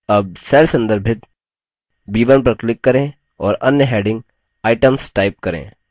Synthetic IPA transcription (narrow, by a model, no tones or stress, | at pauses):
ɐb̚sɛːlsə̃nd̪əɾbʱɪt̪ | biːʋənp̬ɾəklɪkːɐɾẽ | ɔːɾɐnjəɦɛːɖɪ̃ŋɡ̚ | aːɪʈəmsʈaːɪp̚kɐɾḛ̃ː